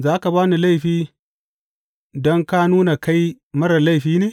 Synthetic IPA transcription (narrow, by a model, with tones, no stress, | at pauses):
zaː˦ka˨baː˦ni˨la˦jɸiː˦ | dɔ˦ŋka˦nuː˦na˨ka˦j | mɐ˦ɽɐ˨la˦jɸiː˦neː˨